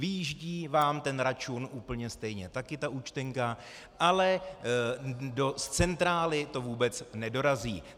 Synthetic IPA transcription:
vɪjɪʒɟiːvaːmt̪ɛnɾat͡ʃunʔuːpl̩ɲɛst̪ɛjɲɛt̪akɪt̪aʔuːt͡ʃt̪ɛŋka | ʔalɛ | do̞st͡sɛnt̪ɾaːlɪt̪o̞vuːbɛt͡snɛdo̞ɾaziː

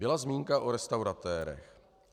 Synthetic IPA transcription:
bɪlazmiːŋkaʔoɾɛst̪awɾat̪ɛːɾɛ̰x

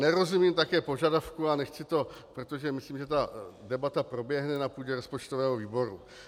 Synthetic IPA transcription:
nɛɾo̞zumiːmt̪akɛːpo̞ʒadafkuanɛxt͡sɪt̪o̞pɾot̪o̞ʒɛmɪsliːmʒɛt̪adɛbat̪apɾo̞bjɛɦnɛnapuːɟɛɾo̞spot͡ʃt̪ovɛːɦoviːbo̞ɾu

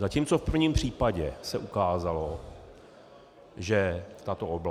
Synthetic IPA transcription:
zaciːmt͡sofpr̩vɲimpr̝̥iːpaɟɛsɛʔukaːzalo | ʒɛt̪at̪oob

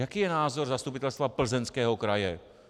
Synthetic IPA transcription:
jakiːjɛnaːzoɾzast̪upɪt̪ɛlst̪vapl̩zɛnskɛːɦokɾajɛ̰

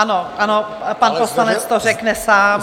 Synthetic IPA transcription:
anoʔano | panposlanɛt͡st̪orɛknɛsaː

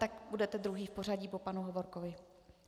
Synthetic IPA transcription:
t̪akbudɛt̪ɛd̪ɾuɦiːfpo̞r̝aɟipopanuɦo̞vo̞ɾkovɪ

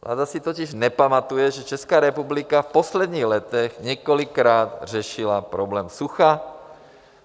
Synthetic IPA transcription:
lʔa̰ːd̪asit̪ɔciʒnɛpamat̪ujɛʒɛt͡ʃɛskaːɾɛpublikafpɔslɛd̪ɲiːɣlɛt̪ɛɣɲɛkɔlikɾaːd̪rɛʃilapɾɔblɛːmsuxa

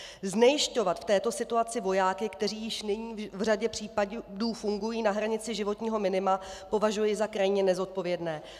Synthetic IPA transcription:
znɛjɪʃco̞vat̪ft̪ɛːt̪o̞sɪt̪uat͡sɪvo̞jaːkɪkt̪ɛr̝iːjɪʃnɪɲiːvr̝aɟɛpr̝̥iːpaduːfuŋɡujiːnaɦɾaɲɪt͡sɪʒɪvo̞t̪ɲiːɦo̞mɪnɪma | po̞vaʒujɪzakɾajɲɛnɛzo̞t̪̚po̞vjɛdnɛː

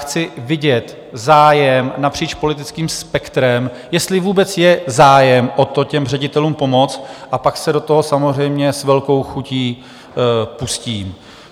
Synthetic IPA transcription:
xt͡sɪvɪɟɛt̪ | zaːjɛmnapr̝̥iːt͡ʃpo̞lɪt̪ɪt͡skiːmspɛkt̪ɾɛm | jɛst̪lɪvuːbɛt͡sjɛzaːjɛmʔot̪o̞cɛmr̝ɛɟɪt̪ɛluːmpo̞mo̞t͡st̪ʔapaksɛdo̞t̪oɦosamor̝ɛjmɲɛsvɛlko̞wxuciː | pusciːm

